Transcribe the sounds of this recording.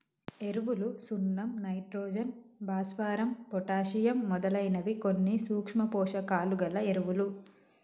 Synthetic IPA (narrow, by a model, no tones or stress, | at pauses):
e̞ɾuʋulusunːɐmnɐjʈɾɔːd͡ʒɐnbʱaːsʋaːɾɐmpɔʈaːʃijɐmːɔd̪ɐlɐjnɐʋikonːisuːkʂmɐpɔːʂɐkaːluɡɐlɐeɾuʋulu